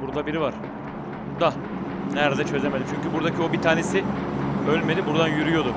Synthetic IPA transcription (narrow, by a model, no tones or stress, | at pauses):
uɾd̪ˠabiɾivaɾ̥ | d̪a | næɾd̪ɛt͡ʃʰøzemeimt͡ʃʰyɲcybuɾd̪acʰio̞bit̪ʰaːne̞siølʲme̞d̪ibuɾd̪anjyɾyjo̞d̪ʊ